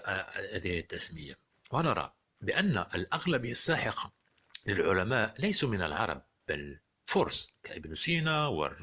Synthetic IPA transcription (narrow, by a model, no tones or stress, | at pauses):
hæd̪ihət̪ːæsməjːa | wʔænɑɾˤɑ̰ | bɪʔænːæʔəlʔaɣlæbiasːaːħɪqɑ | lɪlʕʊlæmaːʔlæjsumɪnə̰lʕɑ̰ɾˤɑ̰b̚ːæl | fʊɾˤsˤkaʔəbnusinawə̰r